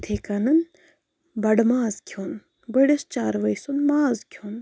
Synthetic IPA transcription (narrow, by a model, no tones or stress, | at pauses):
t̪ʰeːkanɐn | bɐɽmaːzkʲʰon | bɐɽest͡ʃaːɾʋɐjsunmaːzkʲʰoːn